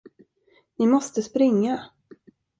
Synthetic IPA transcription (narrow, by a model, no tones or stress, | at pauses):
nɪmɔst̪əspɾɪŋːa